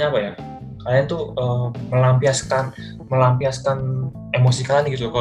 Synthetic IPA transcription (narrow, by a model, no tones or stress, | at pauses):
ɲaːpaja | kaɾiant̪uəːməlampiaskan | məlampiaskan | emosikalaniɡit̪uka